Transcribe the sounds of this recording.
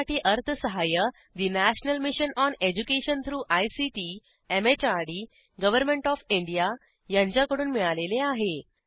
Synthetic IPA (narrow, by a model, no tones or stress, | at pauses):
aʈiːʔəɾt̪ʰəsəɦajə | d̪inæɕnəlmiɕənɔned͡ʑukeɕənt̪ʰɾuːʔajsiʈiː | emet͡ɕaɾɽi | ɡəʋəɾmẽɳʈɔfiɳɖija | jãɲt͡ɕjakəɽuːnmiɭaleleaɦe